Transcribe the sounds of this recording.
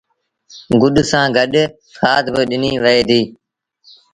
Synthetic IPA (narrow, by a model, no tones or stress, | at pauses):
ɡʊɗsãːɡʱəɗ | kʰaːt̪bɪɗɪniːʋəeːd̪iː